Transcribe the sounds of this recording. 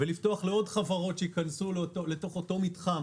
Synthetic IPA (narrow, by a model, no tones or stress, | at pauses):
veliftoaχle̞o̞dχavaʁo̞tʃeikansulotole̞to̞χo̞to̞mitχam